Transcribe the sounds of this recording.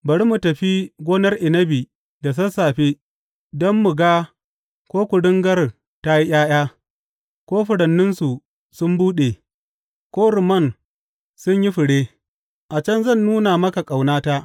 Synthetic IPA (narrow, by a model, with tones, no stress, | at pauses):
bɐ˨ɽi˦mu˨tɐ˨ɸi˦ɡʷoː˦nɐ˦rʔɪ˨nɐ˦bi˨ | da˨s̬ɐ˦saː˨ɸi˦ | dɔ˦mːʊ˨ɡaː˦ | kʷoː˦kʷʊ˨dɪ˦ŋɡɐ˦r | ta˦ji˦j̰ʲaː˦j̰aː˦ | kʷoː˦ɸʊ˨ɽɐ˨nːʊ˦nsu˨ | sʊ˦mbuː˦ɗe˨ | kʷoː˦ɾʊ˨mɐ˦˨n | sʊ˦ɲji˦ɸɪ˨ɽeː˦ | ʔa˨t͡ʃɐ˦nzɐ˦˨nːuː˦na˨mɐ˦ka˨kʼa˨wnaː˦ta˦ʔ